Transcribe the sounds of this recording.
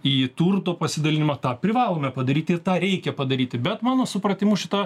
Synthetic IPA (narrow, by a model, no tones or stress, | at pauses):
iːt̪urt̪oːpɐsʲɪd̪ɐlʲɪnʲɪmɐt̪ɑːpʲɾʲɪʋɑːlˠoːmʲɛpɐd̪ɐɾʲiːt̪ʲɪrt̪ɑːɾʲɛɪkʲɛpɐd̪ɐɾʲiːt̪ʲɪbʲɛt̪mɑːnoːsʊpɾɐt̪ʲɪmʊʃʲɪt̪ɑ